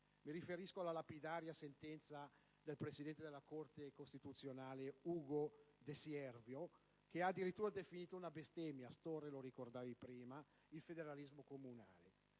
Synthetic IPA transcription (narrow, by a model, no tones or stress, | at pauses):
miɾifeɾiskoalːalapid̪aːɾjasent̪ɛnt̪sa | d̪elpɾesid̪ɛnt̪ed̪elakort̪ekost̪it̪ut̪sjonaːleuːɡod̪esjɛrvjo | keaːd̪ːiɾit̪ːuːɾad̪efiniːt̪ounabest̪ɛmjast̪orelorikord̪aːvipɾiːma | ilfed̪eɾalizmokomuna̰ːle